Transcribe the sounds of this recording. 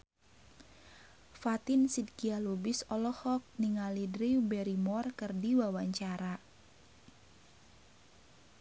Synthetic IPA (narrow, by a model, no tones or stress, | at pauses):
fat̪insid̚kialubisɔlɔhɔk̚niŋalidɾiwbɛɾimɔrkɨrdiwawaɲt͡ʃaɾa